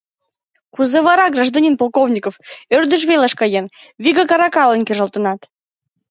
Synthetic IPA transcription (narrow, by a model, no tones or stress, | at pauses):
kuzeβɑɾɑɡraʒd̪onʲinpolˠkovnʲikoførd̪yʒβeləʃkɑjen | viɣəkɑɾɑkɑlˠənkeʒə̆lˠt̪ənɑt̪